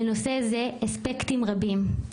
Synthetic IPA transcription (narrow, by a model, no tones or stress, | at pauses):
enosezeaspektimʁabim